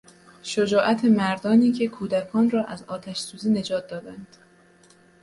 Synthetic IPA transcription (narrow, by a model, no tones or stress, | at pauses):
ʃod͡ʒɒːʔæt̪ʰe̞mæɾd̪ɒːniːcʰe̞kʰuːd̪ækʰɒːnrɒːʔæzɒːt̪ʰæʃsuːziːne̞d͡ʒɒːt̪̚d̪ɒːd̪ænd̪̥